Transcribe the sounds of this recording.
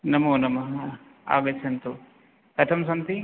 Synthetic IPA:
nɐmunɐmːɐɦɐ | a̰ːɡɐt͡ʃʰɐnt̪u | kɐt̪ʰɐmsɐnt̪i

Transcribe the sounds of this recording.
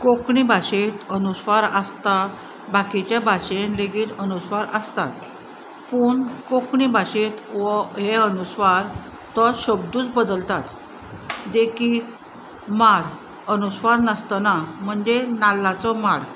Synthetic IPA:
kokɳibʱaɕet̪ənusʋaɾəst̪a | bakit͡ɕjabʱaɕenleɡiːt̪ənusʋaɾəst̪a̰t̪ | puːɳkokɳibʱaɕet̪ʋɔɦeənusʋaɾ | t̪ɔɕəbd̪uːt͡sbəd̪əlt̪at̪ | d̪ekik | maɽ | ənusʋaɾnəst̪ənam̤əɳd͡zenalːat͡sɔmaɽ

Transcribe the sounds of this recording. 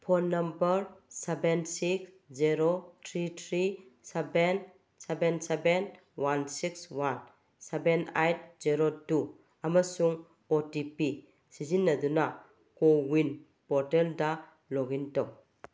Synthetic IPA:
pʰonːɐmbəɾsebensiks | ziɾotʰɾitʰɾiseben | sebenseben | wansikswan | sebenajt̚ziɾotu | amasuŋ | otipi | sizinːɐduna | kowin | pɔɾtelda | lɔɡintɔw

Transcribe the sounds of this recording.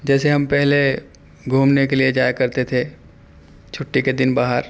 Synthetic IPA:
d͡ʒɛːseɦɐmpɛɦle | ɡʱuːmnekelied͡ʒaːjkɐɾt̪et̪ʰe | t͡ʃʰʊʈːiked̪ɪnbaːɦəɾ

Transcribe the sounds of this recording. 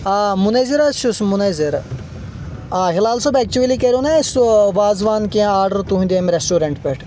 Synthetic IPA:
aːmuneziɾɐʃusmuneziɾ | aːɦilaːlsobɛk̚t͡ʃuelikeɾonesuʋaːzʋaːnkẽaːɾɖəɾt̪uɦũd̪eːmɾesʈuːɾɐɳʈpeʈʰ

